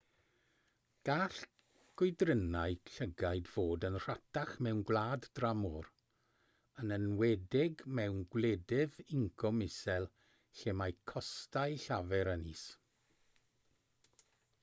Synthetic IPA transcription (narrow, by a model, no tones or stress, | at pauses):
ɡ̥aːɬ | ɡ̥ʊjdrənaɨɬəɡajdv̥oːdənr̥atʰaχmɛwnɡwlaːddramɔɾ | ənənwɛdɪɡmɛwnɡwlɛdɪvɪŋkʰɔmɪsɛlˠ | ɬemajkʰɔstajɬavɛɾəniːs